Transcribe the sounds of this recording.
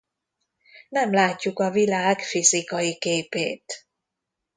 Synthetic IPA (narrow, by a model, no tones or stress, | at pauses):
nɛmlaːcːukɒvilaːɡfizikɒjikeːpeːt̪